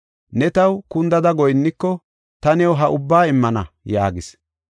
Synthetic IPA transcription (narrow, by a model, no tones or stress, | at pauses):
nɛt̪ɐwkʊnd̪ɐd̪ɐɡɔjnːɪkːɔ | t̪ɐnɛwɦɐʔʊbːaːɪmːɐnɐ̰jaːɡɪs